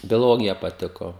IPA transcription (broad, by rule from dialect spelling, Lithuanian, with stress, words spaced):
bʲoːˈlˠoːɡʲɪjɛ pɐˈtʲɪkoː